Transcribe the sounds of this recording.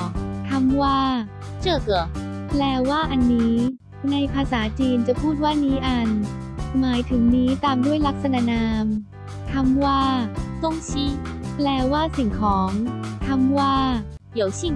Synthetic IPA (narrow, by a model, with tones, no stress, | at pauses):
t̪ʰa˧mwaː˥˩ | t͡ɕɯː˧˩kɯ˧˩plɛː˧waː˥˩ʔa˧nːiː˦˥ | na˧jpʰaː˧saː˩˦t͡ɕiː˧nt͡ɕa˨˩pʰuː˥˩t̪̚waː˥˩niː˦˥ʔa˧nmaː˩˦jt̪ʰɯ˩˦ŋniː˦˥t̪aː˧mdu˥˩əjla˦˥k̚sa˧na˧˥naː˧m | t̪ʰa˧mwaː˥˩so˥˩ŋt͡ɕʰiː˦˥plɛː˧waː˥˩si˨˩ŋkʰɔː˩˦ŋt̪ʰa˧mwaː˥˩ | di˦əwt͡ɕʰi˧˥˩